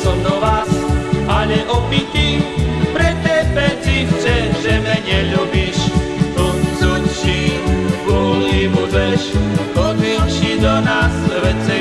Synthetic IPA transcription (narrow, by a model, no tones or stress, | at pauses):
sɔmd̪ɔʋaːsʔaʎɛʔɔpit̪ipɾɛt̪ːɛpɛt͡ʃift͡ʃɛʒɛmɛɲɛʎubiʃɔsut͡ʃiɡɔlimud͡ʒɛʃɔdilʃid̪ɔnasʋɛt͡si